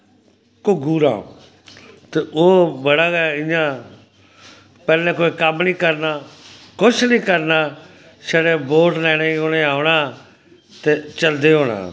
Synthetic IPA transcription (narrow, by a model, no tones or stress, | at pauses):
kʊɡuːɾã̰ː | t̪eːoːbəɽaːɡɪjãː | pɛːlẽːkoːiːkəmnĩːkəɾnaː | kʊt͡ʃʰnĩːkəɾnaː | ʃəɽeːboːʈlɛːɽ̃ẽːɦoːɽeːaːʊɽaː | t̪eːt͡ʃəld̪eːɦoːɽ̃ã̰ː